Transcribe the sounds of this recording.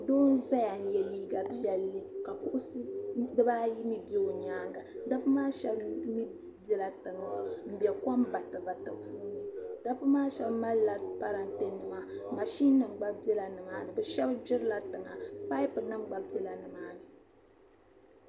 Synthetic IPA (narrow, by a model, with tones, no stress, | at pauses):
doː˦n̩˦za˦ja˨n̩˨˦jɛ˨liː˦ɡa˨bi˦ɛ˨lːɨ˦ka˨pʊ˦ʔʊ˦sɨ˦dɨ˦ba˦ji˦mi˦be˦o˨ɲaː˦ŋɡa˨da˦bɨ˦maː˦ʃɛ˦bmi˦ | bɛ˦la˨tɨ˨ŋ˨m̩˨bjɛ˨ka˦mba˨tɨ˨va˨tɨ˨puː˦nɨ˦d̥a˦bɨ˦maː˦ʃɛ˦bma˦lːa˨pa˦ɾa˨nte˦nɨ˨ma˨ma˨ʃi˦nːɨ˨m˨ɡ͡ba˦bɛ˦la˨nɨ˨maː˨˦nɨ˨bɛ˨ʃɛ˦bd͡ʒɪ˦ɾɨ˦la˨tɨ˨ŋa̰˨pa˦i˦pɨ˨nɨ˦ɡ͡ba˨bɛ˦la˨nɨ˨maː˨˦nɨ˨